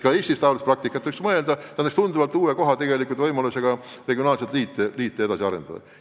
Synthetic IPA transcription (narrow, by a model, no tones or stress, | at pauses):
kɑeːsʲt̪ist̪ɑlusprɑk̚t̪ikːˑɑt̪ːeiksmɤe̞ld̪ɑt̪ænɑkst̪und̪uvɑlt̪ːuːweko̞ɦɑt̪e̞ɡe̞likːˑult̪vɤjmɑluseɡ̥ɑ | re̞ɡio̞nɑːlset̪liːt̪ːˑeliːt̪ˑːee̞d̪ɑsiɑɾe̞nd̪̥ɑd̪ɑ̰